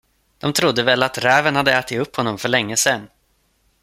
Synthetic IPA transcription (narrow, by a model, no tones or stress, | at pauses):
d̪̥ɔmt̪ʰɾʊd̪ːəvɛlːat̪ɾæːvənhad̪ːəæːʈɪɵphɔnːɔmfœɭɛŋːəsɛnː